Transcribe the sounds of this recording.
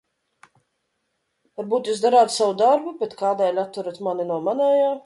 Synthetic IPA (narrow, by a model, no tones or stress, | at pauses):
vaɾbuːt̪juːs̬d̪aɾaːt̪savud̪aɾbubet̪kaːd̪ɛːlʲat̪ːuɾat̪maninuɔmanɛːjaː